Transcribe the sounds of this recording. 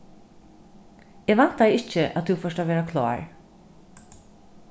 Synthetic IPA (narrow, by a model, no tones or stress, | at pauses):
ɛːɡʋan̥t̪ajɪt͡ʃəʔæ̰t̪θʰufœʂʈaʋɛːɾakʰlɑ̰ːɹ